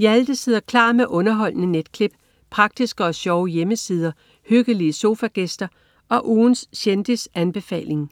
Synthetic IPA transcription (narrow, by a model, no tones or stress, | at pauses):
æld̥əseðˠɐkʰlɑ̈ːmeʔɔ̽nɐɦɒ̽l̰nəned̥kʰle̝b̥ | pʰʁɑ̈ɡ̥̚d̥isɡ̥əɒ̽ɕɒʊəjeməsiːð̞ˠɐ | høɡ̥əliəso̝fæɡ̥esd̥ɐ | ʔɒ̽ʔuːnsɕend̥isænb̥e̝fɛ̰ːle̝ŋ